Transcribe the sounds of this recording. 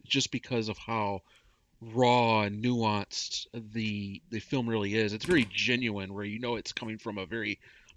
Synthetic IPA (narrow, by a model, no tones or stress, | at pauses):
d̥ʒ̥ʌsb̥ɨkʰʌzʌv̥haʊ | ɹɔnuɑ̃nsðɨðɨfɪlˠmɹɪlˠiɪzɨtsvɛɹid͡ʒɛ̃njʉɨ̃nwə˞jɨnoʊɨtskʰʌ̃mɪ̃ŋfɹʌ̃mɨvɛɹi